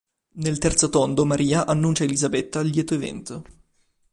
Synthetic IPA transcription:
nelt̪ɛrt̪sot̪ɔnd̪omaɾʔiːaʔanːunt͡ʃaelizabɛt̪ːaljɛːt̪oevɛ̰nt̪o

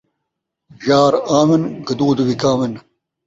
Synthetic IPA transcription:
ʑaːɾaːmenɡɐd̪oːd̪uwikaːmen

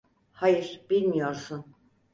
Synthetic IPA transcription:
hajɯɾ̥b̥ilʲmijo̞ɾsun

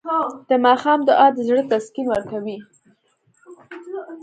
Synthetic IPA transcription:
d̪̥əmɑxɑmd̪əʔɑd̪əzɽət̪askinwəɾkawi

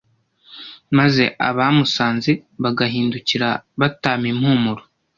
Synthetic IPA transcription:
maze̞̰ʔa̰βamusaːnziβaɡaɦiːnduciɾaβataːmimhuːmuɾo

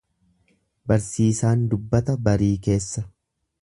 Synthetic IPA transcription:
bɐɾsiːsaːnd̪ʊbːɐt̪ɐbɐɾiːke̞ːsːɐ

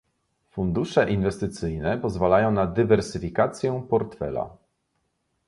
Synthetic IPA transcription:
fund̪uʂɛʔinvɛst̪ɘt̪sɘjnɛpɔzvalajɔ̃w̃nad̪ɘvɛɾsɘfʲikat̪sʲjɛpɔɾt̪fɛ̰la̰

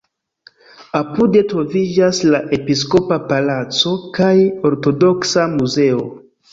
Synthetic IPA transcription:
apude̞tɾo̞vid͡ʒaslaʔe̞pis̬ko̞papalat͡so̞kajo̞ɾto̞do̞ksamuze̞o

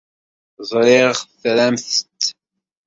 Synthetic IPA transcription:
zˤɾɪʁʁθɾæmθt̪

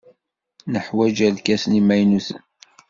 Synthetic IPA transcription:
nəħwæd͡ʒælkæsnimæjnusə̰n

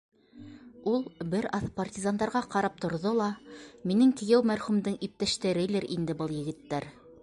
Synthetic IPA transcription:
ulˠbɘɾɑθpartʲizand̪ɑɾʁɑqɑɾɑp̚t̪ŏɾðolˠɑminɘŋk̪ɘ̆jæwmæɾχʉmd̪ɘŋip̚t̪æʃt̪æɾɘilɘɾʔind̪ɘbɤlˠjɘ̆ɡɘ̆t̪ːæɾ

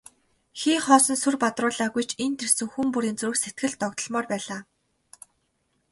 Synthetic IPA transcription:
xiːχɔːsɞ̆nsurpat̪rʊːɮaːɣujt͡ɕʰent̪ʰersɘ̆ŋxumpuɾiːnt͡sur̆kset̪̚ɡɘ̆ɮt̪ɔkt̪ɞ̆ɮmɔːrpæːɮaː

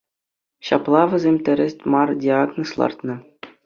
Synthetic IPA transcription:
ɕɑplˠɑʋʲɘ̆zʲemʲt̪ʲɘ̆ɾʲɘ̆sʲtʲmɑrdʲiɑɡnoslˠɑ̰rt̪nɤ̆

